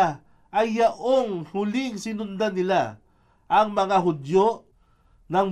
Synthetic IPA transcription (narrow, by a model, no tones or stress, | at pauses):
ʔɐjːaʔoŋhʊlɪŋsɪnʊnd̪anɪla | ʔɐŋmɐŋaɦʊd̪joʔ | nɐŋ